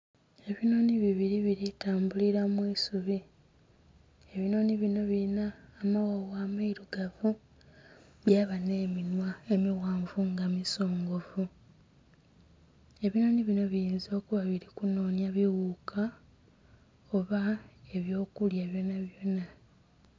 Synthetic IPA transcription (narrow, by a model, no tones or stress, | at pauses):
e̞βino̞ːniβiβiɾiβiɾitaːmbuliɾamwiːsuβi | e̞βino̞ːniβino̞βiɾinaːmawowaːmaiɾuɡavu | βjaːβane̞ːminwae̞miɣaːɱvuŋɡamiso̞ːŋɡo̞vu | e̞βino̞ːniβino̞βijiːnzo̞ːkuβaβiɾikuno̞ːnjaβiwuːkʰa | o̞βae̞βjo̞ːkuljaβjonaβjona